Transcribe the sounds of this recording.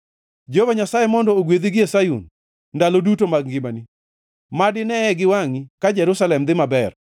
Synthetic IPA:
d͡ʒovaɲasajemɔndɔoɡwed̪iɡɪesajṵn | nːdalodutomaɡɡɪmani | madɪnɛɛɡɪwaŋikad͡ʒɛɾusalɛmd̪ɪmabɛr

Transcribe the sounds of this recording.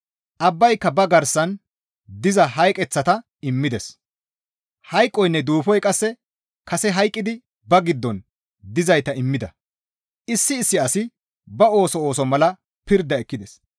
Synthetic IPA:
ʔɐbːɐjkːɐbɐɡɐɾsːɐn | d̪ɪzɐɦɐjkʼɛt͡sːɐt̪ɐ | ɪmːɪd̪ɛs | hɐjkʼːɔjnːɛd̪uːfɔjkʼɐsːɛ | kɐsɛɦɐjkʼːɪd̪ɪ | bɐɡɪd̪ːɔn | d̪ɪzɐjt̪ɐɪmːɪd̪ɐ | ʔɪsːɪːsːɪɐsɪ | bɐo̞ːsɔo̞ːsɔmɐlɐ | pɪɾd̪ːɐɛkːɪd̪ɛs

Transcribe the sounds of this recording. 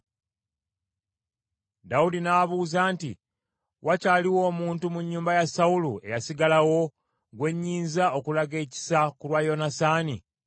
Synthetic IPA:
daudinaβuːzaːntḭ | wʔacaːliwo̞ːmuːntumuɲːuːmbajasaulue̞̰jasiɡalawo̞ | ɡwe̞ɲːiːnzaokulaɡe̞ːci̥sakulwajo̞nasaːni

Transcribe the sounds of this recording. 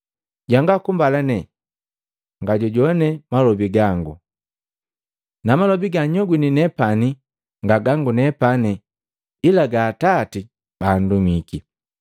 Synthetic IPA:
ɟaŋɡakumbalanɛ | ŋɡaɟɔɟɔnɛmalɔbiɡaŋɡṵ | namalɔbiɡaɲɔɡwininɛpani | ŋɡaɡaŋɡunɛpani | ilaɡaːtati | b̥aːndumiki

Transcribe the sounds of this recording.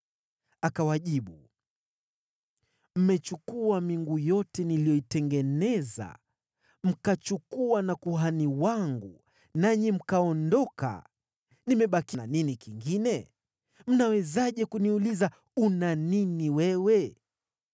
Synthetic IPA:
akawaʄiɓu | m̩mɛt͡ʃukuamiŋɡujɔtɛnilijɔitɛŋɡɛnɛza̰ | m̩kat͡ʃukuwanakuɦaniwaŋɡu | naɲim̩kaɔndɔka̰ | nimɛɓakinaninikiŋɡinɛ | m̩nawɛzaʄɛkuniuliza | unaniniwɛwɛ

